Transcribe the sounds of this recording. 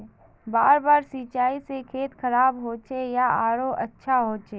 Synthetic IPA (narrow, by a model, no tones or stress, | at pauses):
baːɾbaːɾsit͡ʃaːisekʰeːt̪kʰəɾaːbɦoːt͡ʃʰejaaːɾoʔətːʃʰaɦoːt͡ʃe